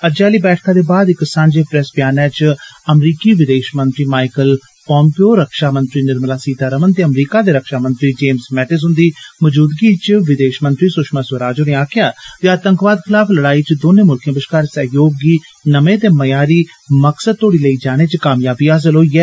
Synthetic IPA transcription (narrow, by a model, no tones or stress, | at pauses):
əd͡ʒaːliːbɛːʈʰkʰãːd̪eːbaːd̪ɪksãːɲd͡ʒeːpɾɛsbjaːnɛːt͡ʃəmɾiːkiːʋɪd̪eːʃmənt̪ɾiːmaːɪkəl | pɔ̃ːmpioːɾəkʃaːmənt̪ɾiːnɪɾməlaːsiːd̪aːɾəmənt̪eːəmɾiːkaːd̪eːɾəkʃaːmə̃nt̪ɾiːd͡ʒeːmsmɛːʈɪs̬ɦʊ̃nd̪iːməd͡ʒuːd̪ɡiːt͡ʃʋɪd̪eːʃmə̃nt̪ɾiːsʊʃmaːsəɾaːd͡ʒoːneːaːkʰɪjaːt̪eəːt̪əŋkʋaːd̪kʰɪlaːpʰləɽaːiːt͡ʃd̪oːneːmʊlkʰj̃ãbɪʃkaːɾsɛjoːɡːiː | nəmẽːt̪eːməjaːɾiː | məksəd̪̚t̪ʰoːɽiːləiːd͡ʒaːɽ̃eːt͡ʃkaːmjaːbiːaːs̬əlɦoːiɛː